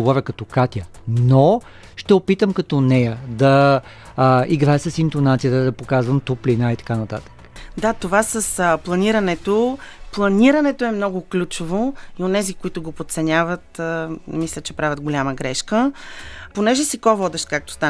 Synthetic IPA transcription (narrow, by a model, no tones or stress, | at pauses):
ovɔvʲəkɐt̪ɔkat̪ʲjə | no | ʃt̪ɛopit̪əmkɐt̪ɔnɛjəd̪ɐ | iɡɾaɛsɐsint̪onat̪sijət̪əd̪ɐpokazvɐmt̪uplinait̪ɐ̥kanɐt̪a̰t̪ə̥k | d̪at̪ovasəsplˠɐniɾənɛt̪oplˠɐniɾɐnɛt̪oɛmnɔɡʊklʲut͡ʃovoionɛzikoit̪ʊɡopot̪t̪sɛnʲavət̪ːmislʲət͡ʃɛpɾavʲət̪ɡolʲaməɡɾɛʃkəponɛʒɛsikɔvɔd̪ɛʃt̪kak̚t̪o̥st̪a